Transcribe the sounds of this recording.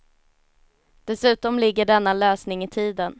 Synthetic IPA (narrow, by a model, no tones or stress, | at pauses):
d̪̥ɛsʉ̟ːt̪ɔmlɪɡːəɖɛnːaløːsnɪŋɪt̪ʰiːd̪ən